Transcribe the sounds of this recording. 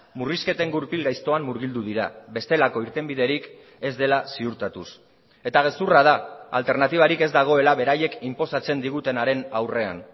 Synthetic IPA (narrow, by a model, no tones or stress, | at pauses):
muriske̞t̪e̞ŋɡuɾpilɣajst̪o̞amːuɾɣ̞ild̪uðiɾa̰be̞st̪e̞lako̞iɾt̪e̞mbiðe̞ɾik | e̞zd̪e̞lasiuɾt̪at̪us | e̞t̪aɣ̞e̞suraðaa̰lt̪e̞ɾnat̪iβ̞aɾike̞zd̪aɣ̞o̞e̞laβe̞ɾaje̞kimpo̞sat͡se̞nd̪iɣ̞ut̪e̞naɾe̞nawre̞a̰n